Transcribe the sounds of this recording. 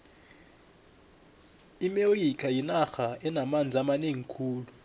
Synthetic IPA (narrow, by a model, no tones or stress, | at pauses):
imeojikʰʼajinaxaɛnamand͡zʱamaneŋikʰuːlu